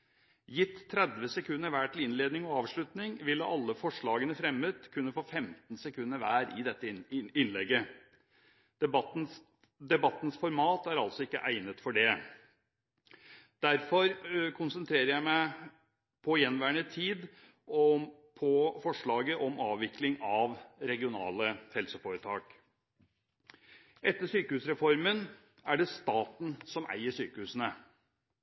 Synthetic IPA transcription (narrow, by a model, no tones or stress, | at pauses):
jɪt̪ʰːɾɛd̪ʋəsɛkʰʉnːəɾʋæːʈʰɪlɪnleːd̪nɪŋɔɑːʋʂɭʉt̪nɪŋʋɪlːəʔɑlːəfɔʂɭɑːɡənəfɾɛmːət̪kʰʉnːəfoːfɛmt̪nsɛkʰʉnːəɾʋæːɾɪ̰d̪ɛt̪ːəɪnlɛɡːə | d̪ɛbɑt̪ːn̩sfɔɾmɑːt̪æɾɑlt̪sɔɪkːə̰ʔæɪnət̪fɔɖɛ | d̪̥æɾfɔɾkʰʊnsənt̪ʰɾeːɾəɾjæɪmæɪ | pʰɔjɛnʋæːəɳət̪ʰiːd̪ | ɔ | pʰɔfɔʂɭɑːɡəʔɔmɑːʋʋɪklɪŋɑʋɾɛɡɪʊnɑ̰ːləhɛlsəfoːɾət̪ʰɑːk | ʔɛt̪ːəʂyːkəhʉːsɾɛfɔɾmən | æɖɛst̪ɑːt̪n̩sɔmʔæ̰ɪəʂyːkəhʉːsənə